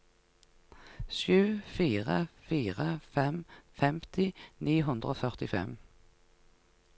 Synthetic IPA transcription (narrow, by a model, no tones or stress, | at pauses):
ʃʉːfiːʁə̰fiːʁəfɛmfɛmt̪ʰɪniːɦʉnd̪ʁoːfœʁt̪ɪfɛ̰m